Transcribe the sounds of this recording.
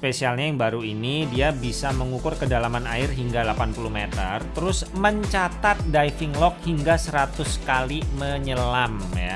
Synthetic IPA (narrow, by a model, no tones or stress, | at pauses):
spesialɲajaŋbaɾuinidiabisaməŋukʊrkədalamanaɪrɦiŋɡalapanpuluhmet̪ə̰rt̪əɾʊsməɲt͡ʃat̪at̪̚dajfɪŋlɔk̚hiŋɡasəɾat̪ʊskaliməɲəlam | ja